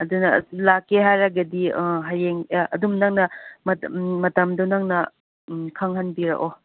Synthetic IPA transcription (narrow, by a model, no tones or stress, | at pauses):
ɐdunɐlakeɦajɾaɡɐdiɦajeŋɐdumnɐŋnɐmɐmɐtɐmdonɐŋnɐ | kʰaŋɦɐnbiɾa̰ʔo